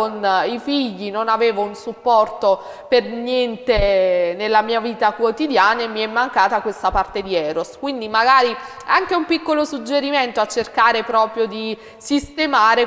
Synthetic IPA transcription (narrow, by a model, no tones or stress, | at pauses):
onifiʎːinonaveːvounsupːɔrt̪o | pernjɛnt̪enelːamiːaviːt̪akwot̪id̪jaːnaemːiɛmːaŋkaːt̪akwest̪apart̪ed̪iɛːɾoskwind̪imaɡaːɾi | aŋkeumpikːolosud͡ʒːeɾiment̪oat͡ʃːerkaːɾepɾɔːpɾjod̪i | sist̪emaːɾe